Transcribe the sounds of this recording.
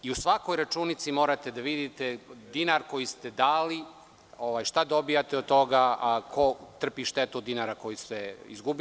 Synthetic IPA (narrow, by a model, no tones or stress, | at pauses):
iusʋako̞jɾat͡ʃuːnit̪simo̞ːɾat̪ed̪aʋid̪it̪ed̪inaɾko̞jist̪ed̪aːli | oʋaːjʃt̪ad̪o̞bijat̪eod̪̚t̪o̞ɡakʰo̞t̪r̩piʃt̪et̪uod̪ːinaɾako̞jist̪eḭzɡubi